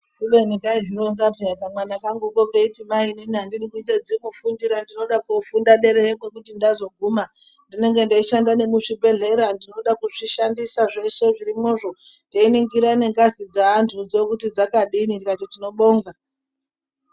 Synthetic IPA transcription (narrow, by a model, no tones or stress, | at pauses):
kuʋe̞nikaiʒiɾonzapiakamwanakaŋɡoɓokeitimaininiandirikuited͡zimufundiɾandino̞ɗakufundaɗe̞ɾeeme̞kutindazo̞ɡʱuma | ndine̞ŋɡe̞ndeiʃandane̞muʂibʱe̞ɮe̞ɾandino̞ɗakuʐiʃandisaʐe̞ʂe̞ʐiɾimo̞ʐo̞ | ndeiniŋɡiɾane̞ŋɡazid͡zaːntʰud͡zo̞kutid͡zakaɗinindikatitino̞ɓoːŋɡa